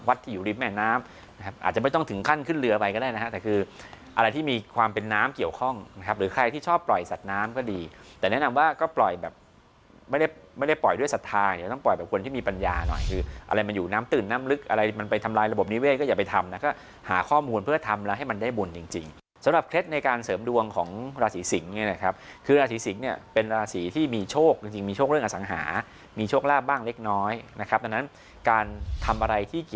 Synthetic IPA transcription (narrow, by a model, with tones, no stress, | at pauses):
wa˦t̪ʰːiː˥˩juː˨˩ɾi˦˧˩mɛː˧˩naː˦˥m | na˦kʰa˦˥p̚ʔa̰ː˨˩t͡ɕa˨ma˥˩jt̪ɔ˥˩ŋt̪ʰɯ˩˦ŋkʰa˥˩nkʰɯ˥˩nlɯ˧ɐpa˧jkɔ˥˩daː˥˩n˦kʰa˦˥t̪ɛː˨˩kʰɯː˧ʔa˧ɾa˧jt̪ʰiː˥˩miː˧kʰwaː˧mpe˧nːaː˦˥mki˨˩əwkʰɔ˥˩ŋna˦˥kʰa˦˥p̚ɾɯː˩˦˥kʰɾa˧jt̪ʰiː˥˩t͡ɕʰɔː˥˩pːlɔ˨˩jsa˨˩t̪̚naː˦˥mkɔː˥˩diː˧t̪ɛː˨˩nɛ˦˥nɔ˧mwaː˥˩kɔː˥˩plɔ˨˩jbɛː˨˩p̚ | ma˥˩jda˥˩ma˥˩jda˥˩jplɔ˨˩jdu˥˩əjsa˨˩t̪ʰːaː˧˨˩t̪ɔ˥˩ŋplɔ˨˩jbɛː˨˩p̚ko˧nʰiː˥˩iː˧pa˧njaː˧nɔ̰˨˩jkʰɯː˧ʔa̰˧ɾa˧jma˧njuː˨˩naː˦˥mt̪ɯː˨˩nːaː˦˥mlɯ˦˥k̚ʔa˧ɾa˧jma˧npa˧jt̪ʰa˧mlaː˧jɾa˧bo˨˩p̚ni˦˥weː˥˩t̪̚kɔ˥˩jaː˨˩pa˧jt̪ʰa˧mna˦˥kɔː˥˩ | haː˩˦kʰɔː˥˩muː˧npʰɯ˥˩ɐt̪ʰa˧mlɛ˦˥wɦa˥˩jma˧ndaː˥˩jbu˧nt͡ɕi˧ŋt͡ɕi˧ŋ | sa˨˦mɾa˨˩p̚kʰɾe˦˥t̪̚na˧jkaː˧nsɤː˩˦mdu˧əŋkʰɔː˩˦ŋɾaː˧siː˩˦si˩˦ŋɲa˧˥na˧˥˩kʰa˦˥p̚kʰɯː˧ɾaː˧siː˩˦si˩˦ŋni˥˩əpe˧nɾaː˧siː˩˦t̪ʰiː˥˩miː˧t͡ɕʰoː˥˩k̚t͡ɕi˧ŋt͡ɕi˧ŋmiː˧t͡ɕʰoː˥˩k̚ɾŋʔa˧sa˩˦ŋɦa̰ː˩˦ | miː˧t͡ɕʰoː˥˩k̚laː˥˩p̚baː˥˩ŋle˦˥k̚nɔː˦˥jna˦˥kʰp̚d̪a˧na˦˥n | kaː˧nt̪ʰa˧mʔa˧ɾa˧jt̪ʰiː˥˩ki˨˩